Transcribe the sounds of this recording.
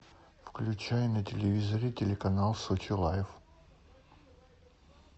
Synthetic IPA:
fklʲʉt͡ɕajɪnətʲɪlʲɪvʲizəɾʲɪtʲɪlʲɪkɐnalˠsot͡ɕɪlˠajf

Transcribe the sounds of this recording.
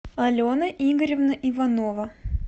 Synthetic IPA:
ɐlʲonəʔiɡəɾʲɪvnəʔivɐnovə

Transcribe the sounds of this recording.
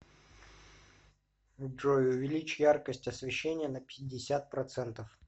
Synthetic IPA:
dʐojʊvʲɪlʲit͡ɕjarkəsʲtʲɐsvʲɪɕːenʲɪjənəpʲɪdʲɪsʲat̪̚pɾɐt̪sɛnt̪əf

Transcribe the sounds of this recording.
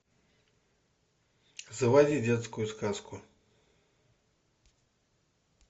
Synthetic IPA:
zɨvad͡zʲid͡zʲɛt̪skujuskaskʰu

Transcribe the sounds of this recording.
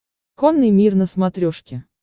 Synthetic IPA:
konːɨjmʲirnəsmat̪ɾʲoʂkʲɪ

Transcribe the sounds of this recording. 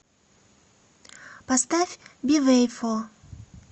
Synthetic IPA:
past̪afʲbʲivɛjfɔ

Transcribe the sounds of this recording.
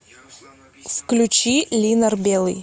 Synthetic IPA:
fklʲʉt͡ɕilʲinərbʲelˠɨ̰j

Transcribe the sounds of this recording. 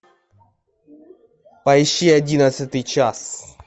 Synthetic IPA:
pajʃiad̪ʲinasət̪it͡ʃas

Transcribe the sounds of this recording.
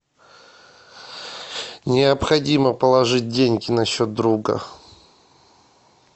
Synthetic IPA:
nʲɪɐpxɐdʲiməpəlˠɐʐɨt̚ʲdʲenʲɡʲɪnɐɕːo̞t̪̚d̪ɾuɡə̰

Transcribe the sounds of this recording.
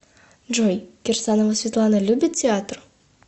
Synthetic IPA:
ʒojɡʲersanovasvʲet̪lˠanalʲubʲitʲʰeat̪r

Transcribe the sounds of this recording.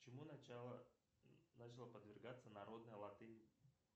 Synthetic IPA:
t͡ɕɪmuaə | nat͡ɕɪlˠəpəd̪vʲɪrɡat̪sənɐɾo̞d̪nəjəlˠɐt̪ɨnʲ

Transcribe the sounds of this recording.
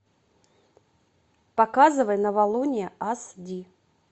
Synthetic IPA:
pɐkazɨvəjnəvɐlˠunʲɪjəasd̪ʲi

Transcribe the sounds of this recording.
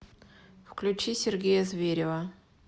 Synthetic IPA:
fklʲʉt͡ɕisʲɪrɡʲejəzvʲeɾʲɪvə

